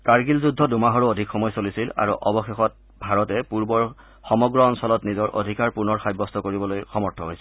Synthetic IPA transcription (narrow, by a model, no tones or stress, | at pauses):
kaɹɡilzudʱːɔdumaɦɔɹuodʱikxɔmɔjsolisila̰ɹṵʔɔbɔxexɔt̚ | bʱaɹɔtɛpuɹbɔɹ | xɔmɔɡɹɔːnsɔlɔtnizɔɹʔo̰dʱikaɹpuɹnɔɹxajbːɔstʰɔkoɹibɔlojxɔmɔɹtʰɔɦojsɛ